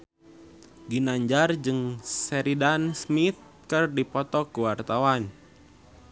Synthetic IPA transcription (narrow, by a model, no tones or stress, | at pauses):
ɡinaɲd͡ʒard͡ʒɨŋsɛɾidansmit̪̚ | kɨrdipɔt̪ɔkuwart̪awan